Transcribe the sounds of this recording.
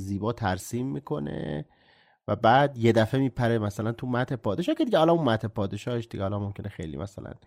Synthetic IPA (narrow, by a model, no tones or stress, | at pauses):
ziːbɒːt̪ʰæɾsiːmːiːkʰo̞nḛ | væbæːd̪je̞d̪æfemiːpʰæɾemæsælænt̪ʰumæt̪ʰepʰɒːd̪eʃɒːhcʰʲe̞d̪iɟehɒlɒmunmæt̪ʰepʰɒːd̪e̞ʃɒːheʃd̪iɟɛhɒlɒmomcʰe̞nexḛjlḭːmæ̰sælæ̰n